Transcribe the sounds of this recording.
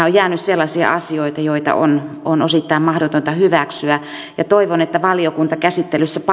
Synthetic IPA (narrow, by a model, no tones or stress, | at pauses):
ojæːnysselːɑsiɑ̰ʔɑsioit̪ɑjoit̪ɑ̰ʔo̰n | onosit̪ːɑimmɑhdot̪ont̪ɑhyʋæksyæ | jɑt̪oiʋonet̪ːæʋɑliokunt̪ɑkæsit̪ːelysːæpɑ